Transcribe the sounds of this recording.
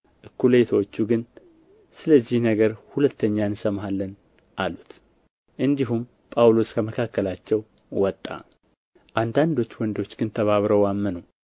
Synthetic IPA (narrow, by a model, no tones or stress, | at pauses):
ʔɨkːulet̪ʰwot͡ʃːuɡɨn | sɨləzːihnəɡəɾhulət̪ʰːəɲːaɨnsəmɦalːən | ʔalut̪ | ʔɨnd̪iɦum | pʼawlo̞skʰəməkʰakːəlat͡ʃːɛw | wɔt̪ʼːa̰ | ʔand̪and̪o̞t͡ʃːwɔnd̪o̞t͡ʃːɡɨnt̪ʰəβaβɾəwamːənəw